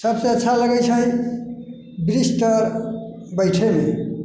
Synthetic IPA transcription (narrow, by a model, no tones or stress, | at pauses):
səbseətːʃʰaləɡəjt͡ʃʰə̃ | bɾisʈ̪əɾ | bəɪʈʰeme